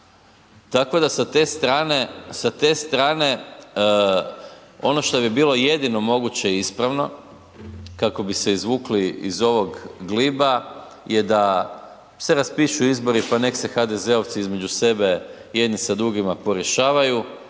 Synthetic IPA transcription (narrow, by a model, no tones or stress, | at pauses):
t̪akod̪asat̪e̞ːst̪ɾaːne̞sat̪e̞ːst̪ɾaːne̞ | o̞no̞ʃt̪o̞bibiːlˠo̞je̞d̪ino̞mo̞ɡut͡ɕe̞iispɾaʋno̞ | kako̞bise̞izʋuːkliḭzo̞ʋo̞ɡɡliba | je̞d̪a | se̞ɾaspiʃuizbo̞ɾipane̞kse̞xad̪e̞ze̞o̞ʋt̪siizme̞d͡ʒuse̞be̞ | je̞d̪nisad̪ɾuɡimapo̞ɾjeʃaːʋaju